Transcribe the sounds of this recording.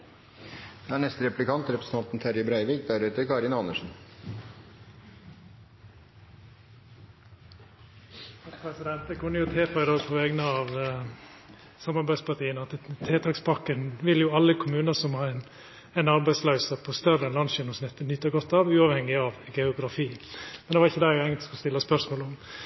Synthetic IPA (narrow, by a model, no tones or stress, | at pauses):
d̪̥ɛæɳɛst̪əɾɛplɪkʰɑnt̪ɾɛpɾəsə̥n̩ʰɑnt̪n̩t̪ʰæɾjəbɾæɪʋɪːk̚d̪æɾʉːt̪əkɑɾɪnɑnəʂn̩ | pʰɾɛsɪd̪ɛnt̪əkʰʉnːəjʊt̪ʰeːfɑɪd̪oːɡpʰɔʋeːɡnəɑʋ | sɑmɑɾbæɪspɑʈiːənɑt̪t̪ʰeːt̪ʰɑːkspʰɑkːənʋɪljʊɑlːəkʰʊmʉːnəsɔmhɑːɛn | æɪnɑɾbæɪslɑʉsəpʰɔst̪œrəɛnlɑnʃɪnʊsnɪt̪ːənʏt̪ːəɡɔt̪ːɑʋʉːɑʋhɛŋːɪɑʋɡɛʊɡɾɑfiːmɛnd̪ɛʋɑɾɪçːəd̪æɡɛŋət̪ɔ̥skɔst̪ɪlːəspœɾʂmoːlʊm